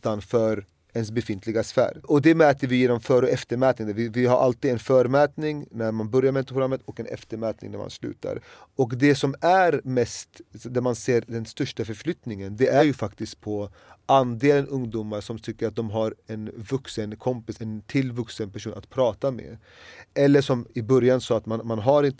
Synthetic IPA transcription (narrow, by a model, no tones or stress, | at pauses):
t̪anfœɾ | ɛns̬bɛfɪnt̪ʰlɪɡasfæ̰ːɾɔd̪ɛmɛːt̪əɾvɪjeːnɔmfœɾɔɛft̪əɾmɛːt̪nɪŋd̪ɛvɪvɪɦaɾʔa̰lt̪iːd̪ɛnfœːɾmɛːt̪nɪŋnæɾmanbœɾjaɾmɛt̪pʰʊɡɾamːət̪ʰɔkɛnɛ̰ft̪əɾmɛːt̪nɪ̰ŋnæ̰ɾma̰nslʉ̟̰ːt̪ʰa̰ɾɔkd̪ɛsɔmæɾmɛst̪d̪æɾmanseːɾd̪ɛnst̪œʂʈafœɾflʏt̪nɪŋənd̪ɛʔæɾjɵfakt̪ɪskt̪̚pʰɔ | ʔand̪eːlənʔɵŋd̪uːmːaɾʂɔmt̪ʰʏkːəɾat̪̚d̪ɔmɦaɾɛnvɵksənkʰɔmpɪsɛnt̪ʰɪlvɵksənpʰæʂ̬uːnat̪pʰɾɑːt̪amḛ | ʔɛlːəʂɔmɪbœɾjansɑːat̪manmanɦaɾɪnt̪